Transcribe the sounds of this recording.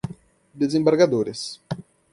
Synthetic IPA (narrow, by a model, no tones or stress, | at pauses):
d̪ezẽmbaɾɡad̪oɾes